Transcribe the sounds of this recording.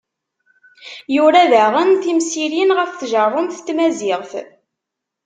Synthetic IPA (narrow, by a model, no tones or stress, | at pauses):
juɾæðəʁənθimsiɾinʁəfθʒərˤːomθt̪ːmæzɪʁθ